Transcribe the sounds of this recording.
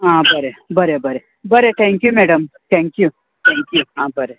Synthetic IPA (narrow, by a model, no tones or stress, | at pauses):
ɦãːbəɾebɐɾebɐɾe | bɐɾeʈʰɛ̃ːŋkjumeːɖəmʈʰɛ̃ːŋkju | ʈʰɛ̃ːŋkjuãːbəɾe